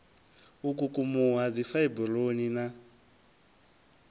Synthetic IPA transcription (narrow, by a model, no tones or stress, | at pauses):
ukukumuɦad͡zifaibuloɲina